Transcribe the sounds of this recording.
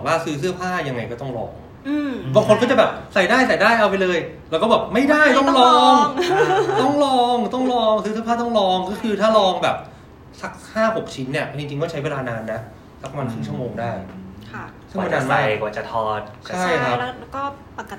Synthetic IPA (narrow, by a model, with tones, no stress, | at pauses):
ɔː˨˩waː˥˩sɯː˦˥s̬ɯ˥˩ɐpʰaː˥˩ja˧ŋːa˧jkɔː˥˩t̪ɔ˥˩ŋlɔ̰ː˧ŋ | ɯː˧ba˧ŋkʰo˧nkɔː˥˩t͡ɕbɛː˨˩p̚sa˨˩jdaː˥˩jsa˨˩jdaː˥˩jʔa˧wp̬a˧jlɤː˧jlɛː˧˦˥kɔː˥˩bɛː˨˩p̚ma˥˩jdaː˥˩jt̪ɔ˥˩ŋlɔː˧ŋ | t̪ɔ˥˩ŋlɔː˧ŋt̪ɔ˥˩ŋlɔː˧ŋsɯː˦˥sɯ˥əpʰaː˥˩t̪ɔ˥˩ŋlɔː˧ŋkɔː˥˩kʰɯː˧t̪ʰaː˥˩lɔː˧ŋbɛː˨˩p̚ | sa˦˥k̚haː˥˩ho˨˩k̚t͡ɕʰi˦˥nːi˥˩ɐ˧˩t͡ɕi˧ŋt͡ɕi˧ŋkɔː˥˩t͡ɕʰa˦˥jweː˧laː˧naː˧nːa˦˥ | sa˦˥k̚ma˧nt̪ʰɯ˦˥˩ŋʰt͡ɕu˥˩˨moː˧ŋdaː˥˩jkʰ | sɯ˥˩ŋma˧nːaː˧na˧kaː˨˩t͡ɕa˨˩t̪ʰɔː˧˩t̪̚ʰa˥˩jkʰɾa˦˥kɔː˥˩ | pa˧k